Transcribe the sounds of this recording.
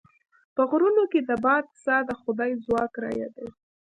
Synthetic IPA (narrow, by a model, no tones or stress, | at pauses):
pəɣɾunoked̪əbɑd̪̚sɑd̪əxʊd̪ɑjzwɑkɾɑ̰ja̰d̪e